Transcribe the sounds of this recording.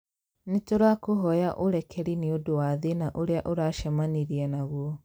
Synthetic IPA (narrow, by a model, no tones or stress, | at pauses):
netoɾakoɦɔjaʔoɾɛkʰɛɾineodowaðenaʔoɾeaʔoɾaʃamaniɾiɛnaɣwɔ